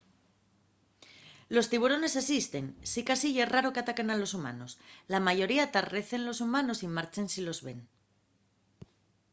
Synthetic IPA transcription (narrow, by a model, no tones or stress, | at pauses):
lo̞st̪iβ̞uɾo̞ne̞sesist̪e̞nsikasiʝe̞sraɾo̞keat̪ake̞nalo̞suma̰no̞slamaʝo̞ɾiat̪are̞θe̞nlo̞sumãno̞simaɾt͡ʃensilo̞zβe̞n